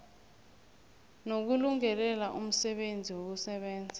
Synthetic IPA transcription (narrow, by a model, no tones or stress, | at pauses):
nok̬uluŋɛlɛlaʔum̩sɛɓend͡zʱiwok̬usɛɓɛːnd͡zʱi